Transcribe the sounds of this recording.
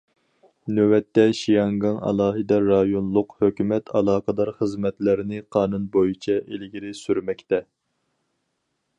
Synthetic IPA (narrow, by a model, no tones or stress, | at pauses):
nøwɛt̪ːɛʃijɑŋɡɑŋɑ̰lˠɑːɦɨd̪ɛɾɑjonlˠʊqhøkʲymɛt̪ʰɑlˠɑːqəd̪ɑɾχəzmɛt̪lɪɾɪnɪqʰɑːnunbojut͡ʃʰɛʔelɪɡʲiɾɪsyɾmɛkʲt̪ɛ